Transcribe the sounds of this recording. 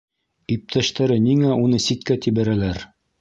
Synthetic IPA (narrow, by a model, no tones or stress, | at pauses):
ip̚t̪ʰæʃt̪æɾɘniŋæunɤsit̪kæt̪iβæɾælæɾ